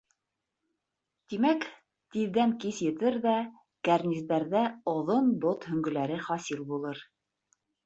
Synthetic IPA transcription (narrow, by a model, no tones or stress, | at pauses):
t̪imæk | t̪iðːæŋkisjɘ̆t̪ɘɾðæ | kæɾnʲizd̪æɾðæŏðonbot̪hɵ̆ŋɡɵ̆læɾɘχɑsilˠbulˠɤɾ